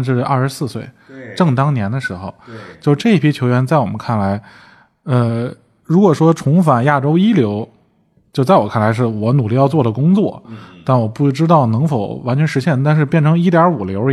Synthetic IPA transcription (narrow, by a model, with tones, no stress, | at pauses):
ʂ̬ɻ̩˥˩ɐ̰˞˥˩ʂɻ̩˧˥sɹ̩˥˧swe˥˩ɪ | ʈ͡ʂɤ˥˩ŋt̪ɑ˥ŋnjɛ˧˥nd̪ə˧ʂɻ̩˧˥xo̰˧ʊt͡ɕjo˥˧ʈ͡ʂɤ˥˧i˥˩pʰi˥t͡ɕʰjo˧˥ʊɥɛ˧˥nt͡sa˥˩ɪwɔ˨˩mə˦nkʰa˥˩nla˧˥ɪ | ə˧ | ɻu˧˥kwɔ˨˩ʂwɔ˥ʈ͡ʂʰʊ˧˥ŋfa˨˩nja˥˩ʈ͡ʂo˥ʊi˥ljo˧˥ʊ | t͡ɕjo˥˧t͡sa˥˩ɪwɔ˨˩kʰa˥˩nla˧˥ɪʂ̬ɻ̩˥˩wɔ˧˥nu˨˩li˥˧jɑ˥˧ʊt͡swɔ˥˩də˩kʊ˥ŋt͡swɔ̰˥˩t̪a˥˩nwɔ˨˩pu˥˩ʈ͡ʂɻ̩˥t̪ɑ˥˩ʊnɤ˧˥ŋfo˨˩ʊwa˧˥nt͡ɕʰɥɛ˧˥nʂɻ̩˧˥ɕjɛ˥˩nt̪a˥˧nʂ̬ɻ̩˥˧pjɛ˥˩nʈ͡ʂʰɤ˧˥ŋi˥t̪jɑ˞˧˥u˨˩ljo˧˥